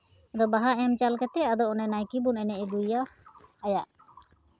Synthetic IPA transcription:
d̪ɔbaɦaʔɛmt͡ʃalkɛt̪ɛad̪ɔɔnɛnajkibunɛnɛʔid̪ujaːjaʔ

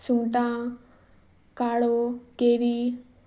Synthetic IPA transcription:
suŋʈã | kaɽokeɾi

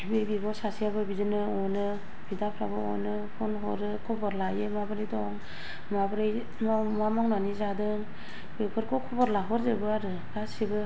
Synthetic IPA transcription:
bebibɔsasijabɯbizɯnɯɔjnɯ | bidapʰɾa̰bɯɔ̰jnɯ | pʰɔnɦɔɾɯkʰɔbɔɾlajemabɯɾɯjdɔŋ | mabɾɯj | mmamaŋnanizadɯŋ | bekʰɯɾkʰɔkʰɔbɔɾlaɦɔɾzɯbɯaɾɯ | ɡasibɯ

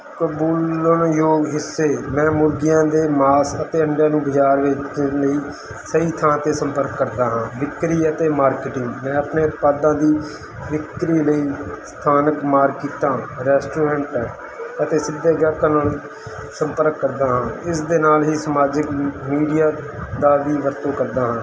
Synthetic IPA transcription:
kəbuːlənjoːɡɦɪsːeːmɛ̃ːmʊɾɡɪjãːd̪eːmaːsət̪eːəɳɖjaːnũːbɪt͡ʃaːɾʋet͡ʃeləiː | səiːt̪ʰãːt̪eːsə̃mpəɾkːəɾd̪aːɦãːʋɪkɾiːət̪eːmaːɾkɪʈɪŋɡmɛ̃ːəpneːʊt̪̚paːd̪ãːd̪iː | ʋɪkɾiːləiːst̪ʰaːnəkmaːɾkiːt̪ãːɾɛːsʈoːɾɛ̃ːɳʈɛ | ət̪eːsɪd̪ːeːɡaːkãːnaːlu | səmpəɾkːəɾd̪aːɦãːɪsd̪eːnaːlɦiːsəmaːd͡ʒɪkmiːɖijaːd̪aːʋiːʋəɾt̪õːkəɾd̪aːɦãː

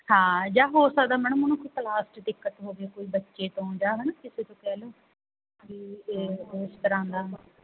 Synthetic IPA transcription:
hãːd͡ʒaːɦoːɾsaːd̪aːməɳəmənũːkʊt̪əlaːsʈd̪ɪkːət̪ɦoːɡeːkoːiːbətːʃeːʈ̪õːd͡ʒaːɦənakɪseːt̪õːkɛːloː | kɪeːɪst̪əɾãːnd̪aː

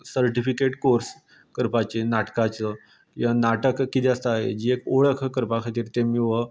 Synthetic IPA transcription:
səɾʈifikeʈkoɾs | kəɾpat͡ɕenaʈkat͡sə | janaʈəkːit̪iəst̪aaɦḛd͡ʑiːekoɭəkʰkəɾpakʰat̪iːɾt̪emiːʋə

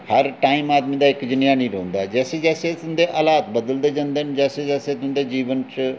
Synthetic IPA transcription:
hɐɾʈaːimaːd̪mĩd̪aɪkd͡ʒɪnjaːniɾɐɦõnd̪ad͡ʒɛːsed͡ʒɛːset̪ʊnd̪eʔɐlaːt̪bəɐd̪əld̪ed͡ʒə̃nd̪end͡ʒɛːsed͡ʒɛːset̪ʊnd̪ed͡ʒiːʋənt͡ʃ

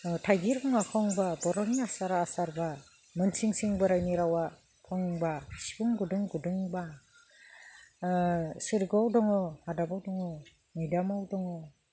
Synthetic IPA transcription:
tʰajɡiɾkɔŋakʰɔŋbabɔɾɔniasaɾaːsaɾba | mɯnsʰiŋsɯŋbɯɾajniɾawa | pʰɔŋŋbasi̥buŋɡuduŋɡudɯŋba | sɯɾɡɔwdɔŋɔhadabawdɔŋɔ | nɯjdamawdɔŋɔ

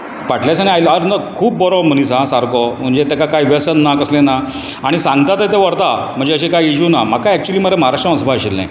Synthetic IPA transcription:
ʋaʈljasañiajlaɾnəkʰuːb̚ːɔɾɔm̤ənisãsaɾkɔm̤əɳd͡ʑet̪ekakajʋjəsənːakəslena | aɽ̃isãŋɡt̪at̪əjt̪̬eʋəɾt̪am̤əɳd͡zeəɕekajiɕunamakkːajɛk̚t͡ɕuliːm̤əɾeməɦaɾaʂʈəɔ̃sbʱaəɕilːḛ̃

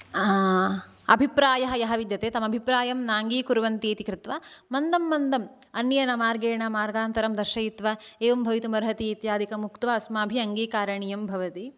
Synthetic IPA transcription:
ɐ̰bʱipɾaːjɐɦɐjɐɦɐʋid̪jɐt̪eːt̪ɐmɐbʱipɾaːjɐmnaːŋɡiːkuɾuʋɐnt̪iːt̪ikɾɪt̪ʋɐmɐnd̪ɐmːɐnd̪ɐm | ɐnːjjɐnɐmaːɾɡeːɳɐmaːɾɡaːnt̪ɐɾɐmd̪ɐɾʃɐit̪ʋɐeːʋɐmbʱɐʋit̪umɐɾɦɐt̪iːt̪jaːd̪ikɐmukt̪ʋɐɐsmaːbʱiɐŋɡiːkaːɾɐɳijɐmbʱɐʋɐt̪i

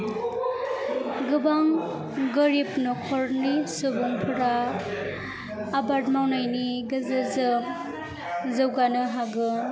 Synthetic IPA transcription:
ɡɯbaŋ | ɡɯɾipnɔkʰɔɾnisɯbuŋpʰɯɾa | baɾtmawnajniɡɯzɯzɯ | zɯwɡanɯɦaɡɯ

